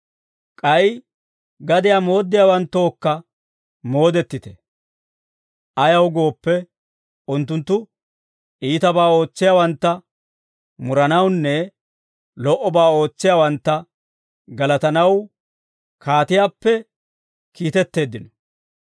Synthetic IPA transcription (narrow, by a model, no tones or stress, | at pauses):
kʼɐj | ɡɐd̪ɪjaːmo̞ːd̪ːɪjaːwɐnt̪ːo̞ːkːɐ | mo̞ːd̪ɛt̪ːɪt̪ɛ | ʔɐjɐwɡo̞ːpːɛ | ʊnt̪ːʊnt̪ːʊ | ʔiːt̪ɐbaːo̞ːt͡sːɪjaːwɐnt̪ːɐ | mʊɾɐnɐwnːɛ | lɔʔɔbaːo̞ːt͡sːɪjaːwɐnt̪ːɐ | ɡɐlɐt̪ɐnɐw | kʰaːt̪ɪjaːpːɛ | kiːt̪ɛt̪ːe̞ːd̪ːɪnɔ